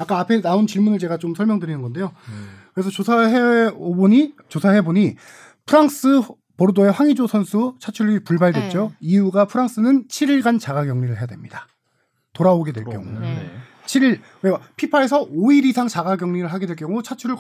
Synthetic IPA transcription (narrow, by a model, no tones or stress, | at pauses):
jak͈aapʰe̞naunt͡ɕiɭmunɯɭt͡ɕe̞ɡat͡ɕ͈omsʰʌɭmjʌŋdɯɾinɯnɡʌnde̞jokɯɾe̞sʰʌt͡ɕosʰaɦeboɲit͡ɕosʰaɦe̞boɲi | pʰɯɾaŋs͈ɯ | poɾdoe̞ɸwaŋid͡ʑosʰʌnsʰut͡ɕʰat͡ɕʰuɾipuɭbaɭdwet̚t͡ɕ͈oiuɡapʰɯɾaŋks͈ɯnɯnt͡ɕʰiɾiɭɡant͡ɕaɡaɡjʌŋɲiɾɯɭɦe̞jadwe̞mɲidḁ | toɾaoɡe̞dwe̞ɭk͈jʌ̰ŋṵ | t͡ɕʰiɾiɭ | eɡapʰipʰae̞sʰʌoiɾisʰaŋt͡ɕaɡaɡjʌŋɲiɾɯɭɦaɡe̞dwe̞ɭk͈jʌŋut͡ɕʰat͡ɕʰuɾɯɭ